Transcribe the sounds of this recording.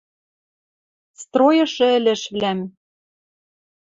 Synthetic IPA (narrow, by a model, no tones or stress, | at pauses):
st̪rojɤ̆ʃɤ̆ɘ̆lɘ̆ʃβlæm